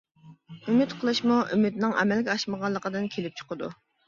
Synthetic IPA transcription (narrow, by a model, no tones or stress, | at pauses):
ymyt̪qʰəlˠɨʃmuʔymyt̪nɪŋɛ̰mɛlɡʲɛɑʃməʁɑlˠːəqəd̪ɨnkʲʰelɪp̚t͡ʃʰə̥qəd̪ṵ